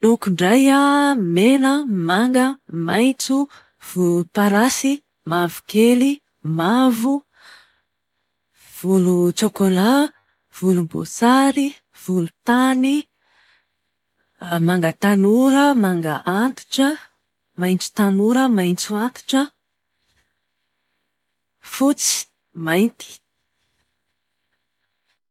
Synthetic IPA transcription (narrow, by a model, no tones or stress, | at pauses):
nukuɳɖ͡ʐajamenəmaŋɡəmajnt͡su | v̥uupaɾasi | mavukeli | mavu | v̥ulut͡ʃokola | v̥ulumbo̰saɾi | v̥ulut̪ani | maŋɡət̪anuɾəmaŋɡəʔant̪u̥ʈ͡ʂə | majnt͡su̥t̪anuɾəmajnt͡suant̪u̥ʈ͡ʂə | fut͡si̥ | majnt̪i̥